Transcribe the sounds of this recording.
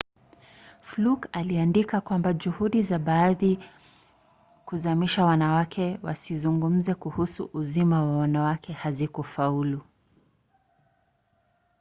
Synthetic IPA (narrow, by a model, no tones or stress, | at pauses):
flukaliandikakwambad͡ʒuhuɗizaɓaːði | kuzamiʃawanawakʰɛwa̰sizuŋɡum̩zɛkuhusṵʔuzimawawanawakʰɛhazikɔfaulu